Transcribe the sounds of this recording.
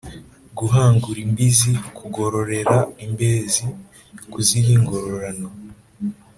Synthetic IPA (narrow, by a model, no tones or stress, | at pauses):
ɡuɦaːŋɡuɾimbizikʰuɡo̞ɾo̞ɾe̞ɾaimbeːzi | kuziɾiːŋɡo̞ɾo̞ɾano̞